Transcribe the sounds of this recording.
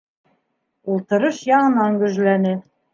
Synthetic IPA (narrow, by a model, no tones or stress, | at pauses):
ulˠt̪ɤ̆ɾɤʃjɑɴɤ̆nɑŋɡɵ̆ʒlænɘ